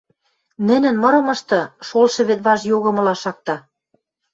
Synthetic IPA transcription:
nɘ̆nɘ̆nmɤ̆ɾɤ̆mɤ̆ʃt̪ɤ̆ʃolʃɤ̆βet̪̚βɑʒjoɣɤ̆mɤ̆lɑʃɑk̚t̪ɑ

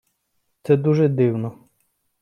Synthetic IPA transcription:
t̪sɛd̪uʒɛd̪ɪwnɔ

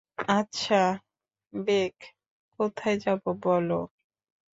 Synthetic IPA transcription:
atːɕʰa | bek | kot̪ʰaejd͡ʑabobɔlo

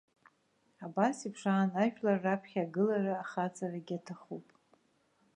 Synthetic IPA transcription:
abasipʰʂaːnaʃᶣlarːapʰχʲaɡɨlaraːχat͡sʼaraɡʲatʰaχupʼ

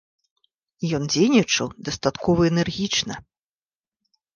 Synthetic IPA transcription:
jɔnd͡zʲejnʲit͡ʂɐwd̪ɐst̪at̪kʰɔvɐɛnɛrɣʲit͡ʂnɐ

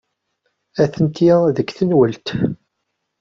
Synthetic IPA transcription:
æθənt̪iðəkθənwəlt̪

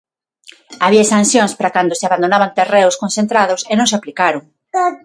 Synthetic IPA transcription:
aβiasan̟θjoŋspɾakand̪ʊseaβand̪onaβant̪ereʊskonθẽnt̪ɾaðʊsenõŋsaplikaɾʊŋ

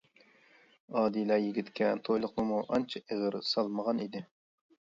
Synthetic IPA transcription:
ɑːd̪ilˠɑɾjiɡʲit̪kʲɛt̪ʰojlˠʊqnɨmuʔɑnt͡ʃʰɑʔeʁəɾsɑlˠməʁɑnid̪ɪ

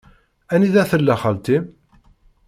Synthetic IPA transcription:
æniðæθəlːæχəlt̪i

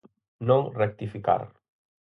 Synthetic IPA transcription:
nõŋrek̚t̪ifika̰ɾ

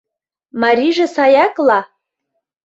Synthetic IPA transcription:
mɑɾʲiʒĕsɑjɑklɑ

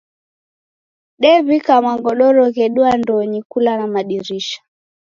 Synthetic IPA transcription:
ɗɛβikamaŋɡɔɗɔɾɔɣɛɗuandɔɲikulanamaɗiɾiʃḁ

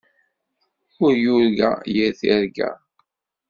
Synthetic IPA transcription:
ʊɾjuɾɡæ̰jəɾθiɾɡæ̰

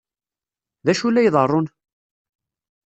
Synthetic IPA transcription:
ðæʃulːæjðˤərˤːʊn

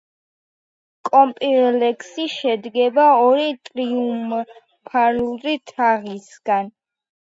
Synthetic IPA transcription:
kʼɔmpʼiɾlɛkʰsiʃɛd̪ɡɛbaɔɾit̪ʼɾium | pʰaɾulˠɾit̪ʰaʁisɡan

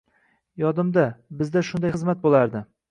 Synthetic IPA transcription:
jɒd̪ɪmd̪abɪzd̪aʃʊnd̪ajχɨzmat̪̚bolˠaɾd̪ɪ

